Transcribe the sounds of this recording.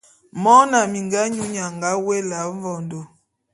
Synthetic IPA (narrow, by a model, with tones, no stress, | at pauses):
mɔ˦na˨mi˨ŋɡa˦ɲu˦ɲa˨ŋɡa˦we˦la˨˦ɱ˦vɔ˨ndo˨